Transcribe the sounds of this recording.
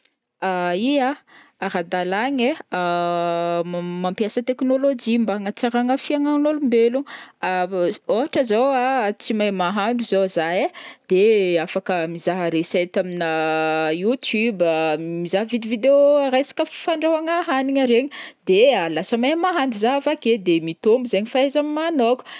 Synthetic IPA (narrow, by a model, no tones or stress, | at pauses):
aia | aɾad̪alaɲe | mampiasət̪eknolod͡ʒimbaŋət͡saɾaŋəfiaŋanolumbeluaoɦaʈ͡ʂəzowat͡simajmaɦaɳɖ͡ʐuzozajed̪̥eafakəmizaɦəɾesajt̪aminəjut̪ʰjubamizaɦvid̪ivid̪eoɾejsḁkəfaɳɖ͡ʐawaŋaɦaniɲaɾeɲid̪̥ealasəmajmaɦanɖ͡ʐuzaɦfaked̪emit̪ombuzeɲifaezammanoku̥